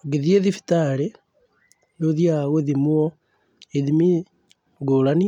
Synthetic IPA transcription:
ɡeðieðifi̥taɾe | noðiaɣoðimwɔ | eðimi | ɡoɾani

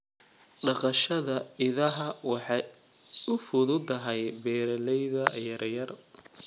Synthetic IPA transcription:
ɖɑqɑʃɐðɐɪðɐɦɐwɑħɑjʊfʊðʊd̪ɐɦɛjbɛːɾɐlɛjðɐjɐrjɐr

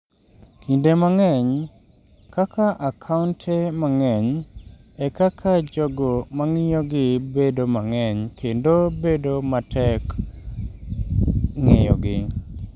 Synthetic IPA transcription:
kindemaŋɛɲ | kakaʔakʰaʊntʰemaŋɛɲ | ɛkakʰad͡ʒɔɡɔmaŋɪjɔɡɪbedomaŋɛɲkʰendobedomatʰɛk | ŋɪ̰jɔ̰ɡɪ

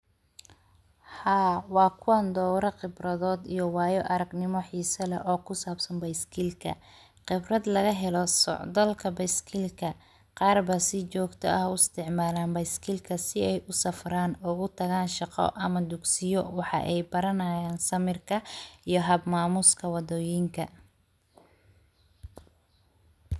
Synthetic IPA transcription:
haːwɑːkʰʊɐnd̪ɔːwɾɐqɪbrɐðɔːd̪ijɞwɑːjɔʔɐɾɐɡnɪmɔħiːsɐlɐʔɔːkʰʊsaːbsɐnbɐjskʰiːlkʰɐ̰ | qɪbrɐd̪lɐɣɐɦɛlɔsɔ̰ʕd̪ɐlkʰɐbɐjskʰiːlkʰɐ | qɑːrbɐsɪt͡ʃɔːɡt̪ʰɔ̰ɐhʊɪst̪ʰɪʕmaːlaːnbɐjskʰiːlkʰɐsɪɛjʔʊsɐfraːnʊɣʊt̪ʰɐɣaːnʃɑqɔ̰ʔɐmɐd̪ʊɡsɪjɔwɑħɑ̰ʔɛjbɐɾɐnɐjaːnsɐmɪrkʰɐijɞɦɐbmaːmʊskʰɐwɑd̪ɔːjɪŋkʰɐ̰

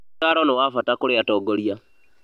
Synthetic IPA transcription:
aɾonewafatakuɾeatoːɡoɾja

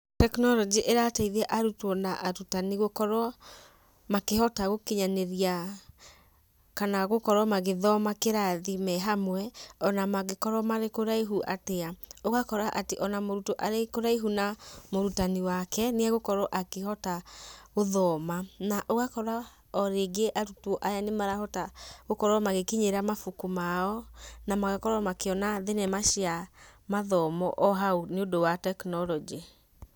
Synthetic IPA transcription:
tɛknɔɾɔd͡ʒiʔeɾataiðɛʔaɾutwɔnaʔaɾutaniɣokɔɾɔ | makehɔtaɣokeɲaneɾia | kanaɣokɔɾɔmaɣeðɔmakeɾaðimɛɦamwɛɔnamaɣekɔɾɔmaɾekoɾaiɦuʔateaoɣakɔɾaʔateʔɔnamoɾutoʔaɾekoɾaiɦunamoɾutaniwakɛneaɣokɔɾɔʔakehɔtaoðɔmanaʔoɣakɔɾa | ɔɾeɡeʔaɾutoʔajanemaɾahɔtaɣokɔɾɔmaɣekiɲeɾamafukumaɔnamaɣekɔɾɔmakeɔnaðenɛmaʃiamaðɔmɔʔɔɦauneodowatɛknɔlɔd͡ʒi

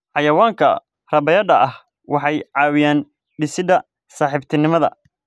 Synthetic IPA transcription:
ħɑjɐwaːŋkʰɐ̰ | rɐbɐjɐɖɐɐh | wɑħɑjʕɑːwɪjaːn | ɖɪsɪd̪ɐ | saːħɪbt̪ʰɪnɪmɐðɐ̰

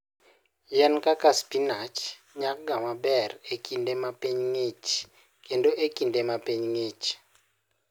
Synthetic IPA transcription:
jɛnkʼakaspʼinat͡ʃʰ | ɲakɡamabɛrekʼindɛmapeɲŋet͡ʃʰi̥ | kʼɛndɔʔekʼindɛmapʼeɲiŋeːt͡ʃʰi̥

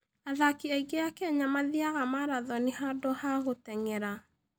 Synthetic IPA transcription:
aðakiaiɣejakɛɲamaðiaɣamaɾaðɔnehadɔhaɣotɛŋɛɾa

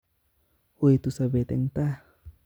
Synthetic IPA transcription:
uit̪usabɛt̪ɛ̰ŋt̪ah

